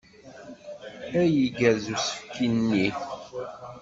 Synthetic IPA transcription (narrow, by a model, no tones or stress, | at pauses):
æjiɡæzusə̥fkːinːi